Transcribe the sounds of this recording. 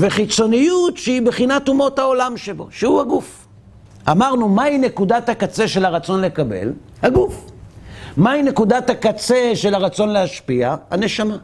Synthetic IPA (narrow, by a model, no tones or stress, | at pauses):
ve̞χit͡so̞nijutʃeibeχinat̪umo̞thao̞lamʃebo̞̰ʃehuhaɡuf | amaʁnumaine̞kud̪athakat͡se̞ʃe̞laʁat͡so̞nle̞kabe̞̰l | haɡuf | maine̞kud̪at̪akat͡se̞ʃe̞laʁat͡so̞nleaʃpiaha̰ne̞ʃama